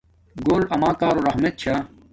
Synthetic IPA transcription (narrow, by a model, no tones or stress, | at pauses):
ɡoːlɐmaːkaːɾoɾɐɦmet̪̚t͡ɕʰaː